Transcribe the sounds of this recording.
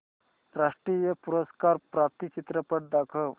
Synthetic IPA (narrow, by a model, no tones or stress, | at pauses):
ɾaʂʈɾijəpuɾəskaɾpɾap̚t̪it͡ɕit̪ɾəpəʈ̚d̪akʰəʋ